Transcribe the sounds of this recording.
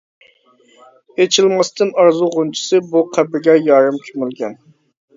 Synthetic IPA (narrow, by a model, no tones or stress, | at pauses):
et͡ʃʰilmɑst̪ɨnɑɾzuʁunt͡ʃʰi̥sɨbuqʰæbɪɡʲɛjɑːɾɨmkʲʰymylɡʲɛn